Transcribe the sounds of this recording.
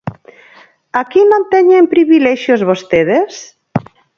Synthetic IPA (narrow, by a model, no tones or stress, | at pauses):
akinõnt̪ɛɲempɾiβilɛʃjozβost̪eðes